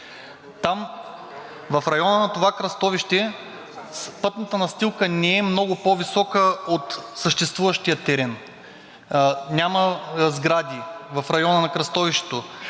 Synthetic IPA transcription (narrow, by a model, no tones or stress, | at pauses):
t̪am | vɐfɾɐjɔnənɐt̪ovakɾɐst̪ɔviʃt̪ɛ | pɤt̪nət̪ənɐst̪ilˠkənɛɛmnɔɡʊpovisɔkəot̪səʃt̪ɛst̪vuvɐʃt̪ijət̪ɛɾɛn | nʲamɐzɡɾad̪ʲivɐfɾɐjɔnɐnɐkɾɐst̪ɔviʃt̪ɛ̥t̪o